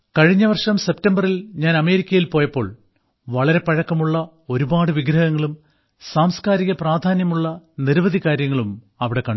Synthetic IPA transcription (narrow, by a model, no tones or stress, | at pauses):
kɐɻiɲːɐʋɐrʂɐmse̞p̚tɐmbɐrilɲaːnɐme̞ːɾikʲːɐjilpo̞ːjɐpːo̞ːɭ | ʋɐɭɐɾe̞pɐɻɐkːɐmuɭːɐ | o̞ɾubaːɽɨʋiɡɾɐhɐŋːɐɭum | saːmskaːɾiɣɐpraːd̪ʱaːnjɐmuɭːɐniɾʋɐd̪ʱikaːɾjɐŋːɐɭum | ɐʋiɽe̞kːɐɳɖ